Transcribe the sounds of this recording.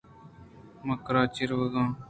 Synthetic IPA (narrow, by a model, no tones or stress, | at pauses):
məkɾaːt͡ʃɪɾʋəɡãː